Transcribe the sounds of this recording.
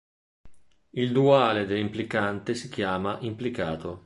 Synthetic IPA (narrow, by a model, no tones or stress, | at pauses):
ild̪uaːled̪elːimplikant̪esik̟jaːmaʔimplikaːt̪o